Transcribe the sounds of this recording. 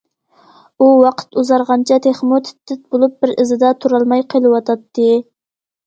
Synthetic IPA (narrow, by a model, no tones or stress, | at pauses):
uwɑqʰə̥t̪uzɑɾʁɑnt͡ʃʰɑt̪ʰeχmut̪ʰɪ̥t̪ːɪt̪̚bolˠup̚bɪɾɨzɨd̪ɑt̪ʰuɾɑlˠmɑjqʰəlˠɨwɑt̪ʰɑt̪ʰːɨ